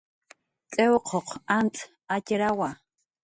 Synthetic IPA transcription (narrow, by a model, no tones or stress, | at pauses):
t͡ɬʼɛwqʰɔqʰʷantʼʰ | acʲeɾawa